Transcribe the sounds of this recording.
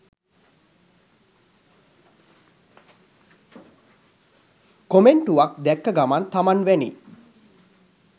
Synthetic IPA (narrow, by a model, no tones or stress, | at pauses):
komeɳʈuʋak̚d̪ɛkːəɡamant̪amanʋænḭ